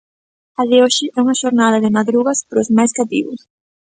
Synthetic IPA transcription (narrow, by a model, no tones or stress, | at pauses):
aðeoʃɪʔɛuŋɐʃoɾnað̞ɐðɪmaðɾuɣɐspɾʊzmajskat̪ḭβʊ̰s